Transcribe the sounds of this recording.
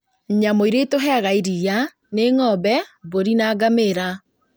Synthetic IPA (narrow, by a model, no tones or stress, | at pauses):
ɲamoiɾetoɦɛaɣaiɾija | neŋɔbɛboɾinaːɡameɾa